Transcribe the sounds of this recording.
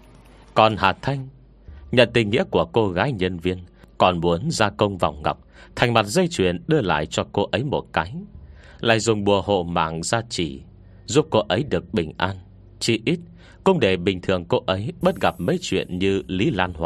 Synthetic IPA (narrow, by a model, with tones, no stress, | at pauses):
kɔ˨˩nhaː˨˩t̪ʰa˧jŋ̟ | ɲə̰˧˨nt̪ï˨˩ŋŋḭ˧˥əku˧˩əko˧ɣaː˨˦jɲə˧nvi˧ənkɔ˨˩nmu˨˦ənzaː˧kə˧wŋ͡mva̰˨˩wŋ͡mŋa̰˨˩wk͡p̚t̪ʰa˨˩jŋ̟ma˨˩t̚zə˧jt͡ɕwḭ˧˩ənɗɨ˧əla̰ː˧˨jt͡ɕɔ˧ko˧ʔə˨˦jmo˨˩t̚kaː˨˦j | la̰ː˧˨jzʊ˨˩ŋ͡mɓu˨˩əɦo̰˧˨ma̰ː˧˨ŋzaː˧t͡ɕi˧˩ | zu˦˥p̚ko˧ʔə˨˦jɗɨ˨˩ək̚ɓï˨˩ŋ̟ʔaː˧n | t͡ɕi˧ʔi˦˥t̚ | kʊ˧wŋ͡mɗe˧˩ɓï˨˩ŋ̟t̪ʰɨ˨˩əŋko˧ʔə˨˦jɓə˦˥t̚ɣa˨˩p̚mə˨˦jt͡ɕwḭ˧˨ənɲɨ˧li˨˦laː˧nhwa˧˨